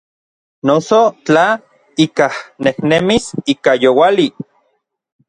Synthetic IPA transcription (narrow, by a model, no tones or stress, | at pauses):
nosot͡ɬa | ikahnehnemisikajowali